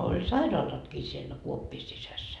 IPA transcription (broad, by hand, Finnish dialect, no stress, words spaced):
olʲ sɑirɑːlɑtkiː sielːæ kuopːiː sisæsːæ